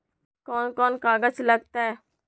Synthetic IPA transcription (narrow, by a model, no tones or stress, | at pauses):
kɔːnkɔːnkaːɡət͡ʃləɡt̪aɛ